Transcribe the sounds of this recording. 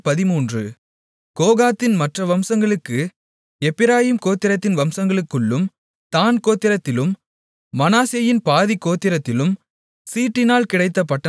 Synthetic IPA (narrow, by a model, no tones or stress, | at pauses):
pɐðɪmuːndrɯ | koːɣaːt̪ːɪnmɐʈrɐʋɐmsɐŋɡɐɭɯkːɯ | ɛpːɪɾaːjiːmkoːt̪ːɪɾɐt̪ːɪnʋɐmsɐŋɡɐɭɯkːɯɭːɯm | t̪aːnkoːt̪ːɪɾɐt̪ːɪlɯmː | ɐnaːsɪjɐjɪnpaːðikːoːt̪ːɪɾɐt̪ːɪlɯm | siːʈːɪnaːlkɪɽɐɪt̪ːɐpːɐʈːɐ